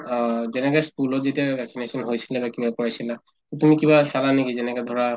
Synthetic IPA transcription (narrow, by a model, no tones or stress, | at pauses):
zɛnɛkaskulɔtzetiabɛksinesɔnɦojsilabakibapɔɹajsila | t̪otumikibasalanekizɛnɛkad̪ʱɔɹa